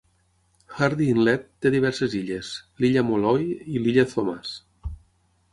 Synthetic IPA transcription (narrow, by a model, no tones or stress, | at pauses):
xaɾðiːnlɛt̪ːeðiβ̞ɛɾseziʎesliʎamolɔjiliʎaθomas